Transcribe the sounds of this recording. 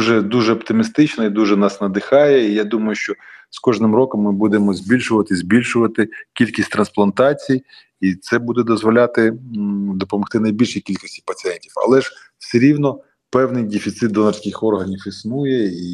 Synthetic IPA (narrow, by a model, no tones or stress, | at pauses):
ʒɛd̪uʒɛɔpt̪ɪmʲɪst̪ɪt͡ʃnɔid̪uʒɛnɑsnɐd̪ɪxɑjɛijad̪umɐjʊʃt͡ʃɔskɔʒnɪmrɔkɔmːɪbud̪emɔzʲbʲilʲʃʊʋɐt̪ɪzʲbʲilʲʃʊʋɐt̪ɪkʲilʲkʲisʲtʲt̪ɾɐnsplˠɐnt̪ɑt͡sʲij | it̪sɛbud̪ɛd̪ɔzʋɔlʲat̪ɪd̪ɔpɔmɔxt̪ɪnɐjbʲilʲʃijkʲilʲkɔsʲtʲipɐt͡sʲiɛnʲtʲifɐ̰lˠɛʒ | seɾʲiwnɔ | pɛwnɪjdʲɪfʲit̪sɪt̪d̪ɔnɐrʲsʲkʲɪxɔrɦɐnʲifisnujɛi